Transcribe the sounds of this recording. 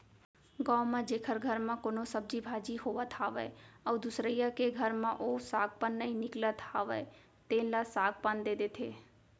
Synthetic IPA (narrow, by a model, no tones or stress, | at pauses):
ɡãwmãd͡ʒeːkʰəɾɡʱəɾmãkonosəb̚d͡ʒibʱaːd͡ʒiɦoʋat̪ʰaʋəeəwd̪ʊsɾəjakeɡʱəɾmãʔosaːɡ̚pənːəĩnɪklət̪ʰaʋəe | t̪ẽlasaːɡ̚pənd̪ed̪et̪ʰeː